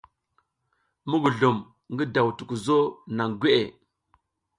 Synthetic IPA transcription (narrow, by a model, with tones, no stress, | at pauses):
mu˦ɡu˨ɮu˨m | ŋɡi˦da˨wtu˨ku˨zo˦na˨ŋɡʷe˦ʔe˨